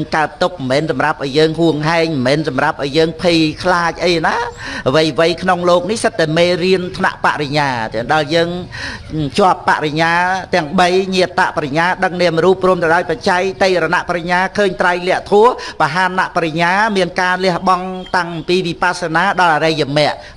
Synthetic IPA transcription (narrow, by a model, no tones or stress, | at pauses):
ŋkaət̪̚t̪ːuk̚mmɛːnsɑmrap̚ʔaɔjəːŋɦuəŋɦaɛŋmmɛːnsɑmrap̚ʔaɔjəːŋpʰijkʰlaːc̚ʔəjnaːʋəjʋəjkʰnoŋloːk̚nihsət̪ːaɛmeːlriənt̪ʰna̰ʔpa̰ʔriɲaːt̪ɗaəljəːŋ | t͡ɕŏəpːa̰ʔriɲaːt̪ɛ̆əŋɓəjɲiət̪ːa̰ʔpaɾaɲaːɗəŋ̚nɛəmruːpːruəmt̪əwɗaɔjpat͡ɕajkt̪ejɾanaʔpɾaɲaːkʰəːɲt̪rajlɛ̆əʔt̪ʰuəhpaɦaːnːaʔpaɾaɲaːmiənkaːlɛəhɓɑŋt̪aŋʔmpiːʋipasanaːɗɑlʔaɾəjamɛ̆əʔ